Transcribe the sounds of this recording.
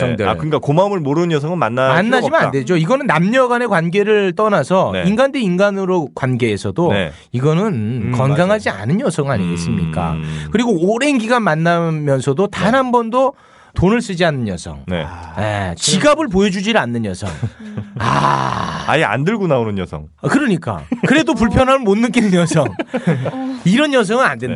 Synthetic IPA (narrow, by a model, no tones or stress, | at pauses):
t͡ɕʌŋdʌa̰kɯɲik͈akomamɯɭmoɾɯɯnjʌsʰʌŋɯnmanːamanːad͡ʑimanade̞d͡ʑoiɡʌnɯnːamɲʌɡane̞kwanɡe̞ɾɯɭt͈ʌnasʰʌneinɡandeinɡanɯɾokwanɡe̞esʰʌdoḛ | iɡʌnɯnkʌnɡaŋɦad͡ʑia̰nɯnjʌsʰʌŋɯa̰ɲiɡe̞s͈ɯmɲḭk͈a̰kɯɾiɡoːɾe̞nɡiɡanmanːamjʌnsʰʌdotanɦambʌndo | tonɯɭs͈ɯd͡ʑianːɯnjʌsʰʌ̰ŋnḛjḛt͡ɕiɡabɯɭp̬ojʌd͡ʑud͡ʑiɾanːɯnjʌ̰sʰʌ̰ŋa̰ | a̰jia̰ndɯɭɡunaonɯnjʌsʰʌ̰ŋakɯɾʌɲik͈a̰kɯɾe̞dopuɭpʰjʌnɦaɯmonːɯk͈inɯnjʌsʰʌŋ | iɾʌnjʌs̬ʰʌŋɯnandwen